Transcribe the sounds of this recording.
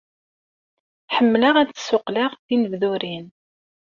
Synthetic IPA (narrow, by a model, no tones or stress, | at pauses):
ħəmːləʁæt͡sːsʊqlaʁθinəvðuɾin